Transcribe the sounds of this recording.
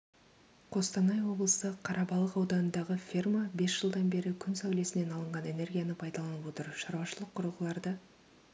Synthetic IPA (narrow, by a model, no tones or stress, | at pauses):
qʰo̞st̪ɑnɑjwo̞blˠəsəqʰɑɾʔɑbɑlˠəqɑwd̪ɑnənd̪ɑʁəfʲirmabe̞sʒ̥əlˠd̪ɑnbe̞ɾɪkʲʰʏnsæwle̞sɪne̞nɑlˠəɴʁɑne̞ne̞rɡʲijanəpʰɑjd̪ɑlˠɑnəpwo̞t̪əɾʃɑɾwɑʃəlˠəqʰːʊɾəlˠʁəlˠɑɾd̪ə